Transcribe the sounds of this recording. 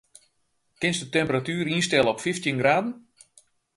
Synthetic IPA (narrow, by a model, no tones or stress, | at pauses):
kɪnsdətɛmpəratyːɾinstɛləɔpfiftjinɡraːdən̩